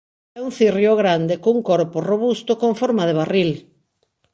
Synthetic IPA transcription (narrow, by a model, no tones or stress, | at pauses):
ɛuŋθirjoɣɾand̪ekouŋkoɾporoβust̪okoɱfoɾmaðeβaril